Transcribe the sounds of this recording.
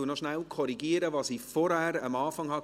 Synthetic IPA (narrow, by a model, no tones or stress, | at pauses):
uənɔʃnælkʰɔɾiɡiəɾəvɑːsifɔɾhæːɾəmɑːfɑŋhɑ